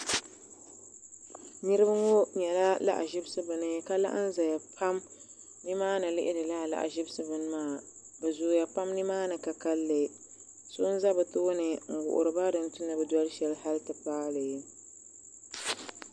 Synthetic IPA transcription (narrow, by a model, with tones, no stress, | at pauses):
nɨ˦ɾɨ˦bɨ˦ŋo˦ɲɛ˨la˦la̰˦ʔa˨ʒɪ˦bɨ˦sɨ˦bɨ˨nɨ˦ka˦la̰˦ʔa̰˦n˦za˨ja˨pʰa˦m | nɨ˦maː˦nɨ˨lɪ˦ʔɪ˦dɨ˨la˦˨la̰˨ʔa̰˨ʒɪ˦bɨ˦sɨ˦bɨ˨n˦maː˦˨ | bɛ˨zʊ˨ja˨pa˦mnɨ˦maː˦nɨ˨ka˨ka˦lːɨ˨ | so˦n˦za˦bɨ˨tɨ˦ʊ˦nɨ˨ŋ̩˨ɡʊ̰˨ʔʊ̰˨ɾɨ˨ba˦dɨ˨n˦tu˦nɨ˨bɨ˨dwɔ˦lɨ˦ʃɛ˨lha˦ltɨ˨paː˦lɨ˨˦